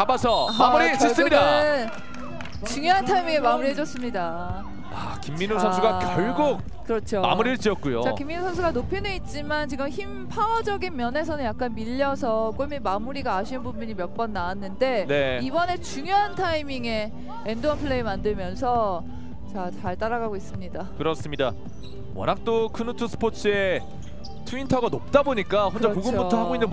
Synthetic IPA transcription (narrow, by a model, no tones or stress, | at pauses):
kabasʰʌmamuɾisʰɯs͈ɯmida | t͡ɕuŋjoɦantʰaimiŋe̞mamuɾihed͡ʑʌs͈ɯmɲida | a | kimːinosʰʌnsuɡakjjʌɭɡuk̚ | kɯɾʌt͡ɕʰoma̰muɾiɭt͡ɕ͈iʌk͈̚ujo̰t͡ɕakimːinosʰʌns̬ʰuɡanopʰineit̚t͡ɕ͈imant͡ɕiɡɯmçimpʰawʌd͡ʑʌɡinmjʌne̞sʰʌnɯnjak̚k͈anmiʎːʌsʰʌk͈oɭmimamuɾiɡaːɕʰinɯnbunbuɲimjʌk̚p͈ʌnːawanːɯnde̞ne̞ibʌne̞t͡ɕuŋjoɦantʰaimiŋe̞ | endoʌnpʰɯɭːeimandɯɭmjʌnsʰʌ | t͡ɕat͡ɕaɭt͈aɾaɡaɡois͈ɯmɲidakɯɾʌs͈ɯmɲida | wʌ̰nak̚t͈okʰɯnutʰusʰɯ̥pʰot͡ɕʰɯe̞ | tʰuintʰʌɡanop̚t͈aboɲik͈ahond͡ʑakoɡɯmbutʰohaɡoinnːɯn